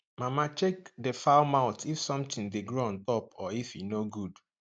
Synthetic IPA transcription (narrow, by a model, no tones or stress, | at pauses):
mamat͡ʃekdefaʊmaʊtifsɔ̃mtɪ̃ndeɡɹoɔ̃ntɔpɔifinoɡud